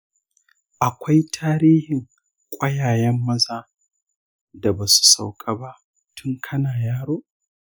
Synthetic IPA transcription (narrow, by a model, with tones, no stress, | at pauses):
ʔa˨kʷa˦jtʰaː˦ɾiː˦hɪ˨ŋ | kʷʼɐ˦jaː˨jɛ˦mːɐ˦zaː˦ | da˨ba˨su̥˨sa˨wkʼa˦ba˦ʔ | tʰʊ˦ŋkʰɐ˦naː˨jaː˦ɽoː˦